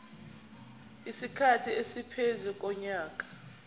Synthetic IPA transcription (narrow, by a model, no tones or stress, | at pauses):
isikʰatʰiesipʰezuk̬ʼɔɲaːk̬ʼḁ